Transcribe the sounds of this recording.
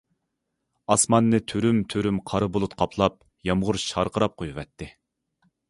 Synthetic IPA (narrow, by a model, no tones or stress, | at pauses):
ɑsmɑnːɨt̪ʰøɾymt̪ʰøɾymqʰɑɾɨbolˠut̪qʰɑpʰlˠɑp̚ | jɑmʁʊɾʃɑɾqəɾɑp̚qʰojuvɛt̪ʰːɪ